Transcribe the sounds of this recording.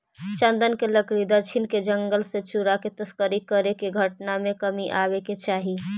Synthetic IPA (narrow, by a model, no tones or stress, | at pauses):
t͡ʃə̃nd̪ənkeləkɾid̪at͡ʃʰinked͡ʒəŋɡəlsẽt͡ʃuɾaket̪əskəɾikəɾekeɡʱəʈnamekəmiʔaβeket͡ʃaɦi